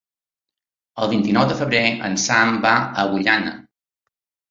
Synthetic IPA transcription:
əlˠβint̪inɔwðəfəβɾeə̰nsambaəβuʎanə̰

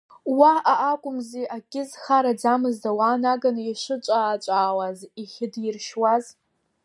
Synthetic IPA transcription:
waaʔːkʷʼʊmziʔakʲʼɪzχaɾad͡zamɨzdawanaɡaniʂɨt͡ʃʷʼaːt͡ʃʷʼaːwaziχʲɪdjɪrʃwaz

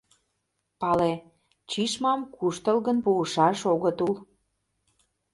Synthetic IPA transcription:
pɑle | t͡ɕiʃmɑmkuʃt̪əlɣənpuəʃɑʃoɣət̪ul

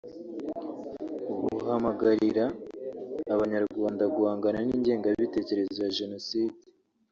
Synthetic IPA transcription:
uβuhamaɡaɾiɾaː | βaɲaɾɡwaːndaɡuhaːŋɡananiːɲɟe̞ːŋɡaββite̞ːce̞ɾe̞zojaʒe̞no̞siːde̥

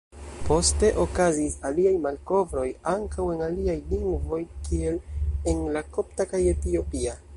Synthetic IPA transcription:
po̞ste̞ʔo̞kazisaliajmalko̞vɾo̞jaŋkawe̞naliajliŋɡvo̞jkie̞lenlako̞ptakaje̞tio̞pia

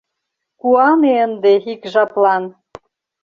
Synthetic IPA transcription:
kuɑmeənd̪eikʒɑplɑn

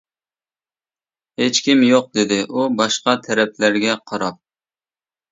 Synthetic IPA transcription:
het͡ʃkʲimjoq̚d̪ɪd̪ɪʔubɑʃqɑt̪ʰɛɾɛp̚ʰlæɾɡʲɛqʰɑɾɑp̚

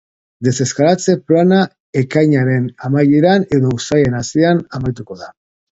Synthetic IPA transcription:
d̪e̞se̞skaɾat͡se̞plana | ekajɲaɾe̞namajeɾane̞ðo̞usajenasianamajt̪uko̞ða

